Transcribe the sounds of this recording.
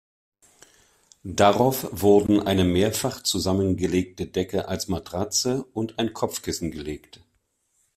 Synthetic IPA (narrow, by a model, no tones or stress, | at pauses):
d̥aʁaʊfv̥ʊɐdn̩ʔaɪnəmeːɐfaχt͡suzamənɡəleːk̚tədɛkəʔalsmatʁ̥at͡səʔʊntaɪnkʰɔp͡fkɪsn̩ɡəleːkt